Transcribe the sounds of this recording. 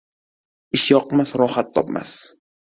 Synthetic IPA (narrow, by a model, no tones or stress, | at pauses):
ɪʃjɒqmasɾɒhat̪ʰːɒpma̰s